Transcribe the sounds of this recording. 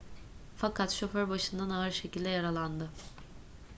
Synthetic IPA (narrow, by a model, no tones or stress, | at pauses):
fakʰat̪ʃoføɾbaʃɯnd̪anaɯɾʃe̞cilʲd̪ɛjaɾalˠand̪ɯ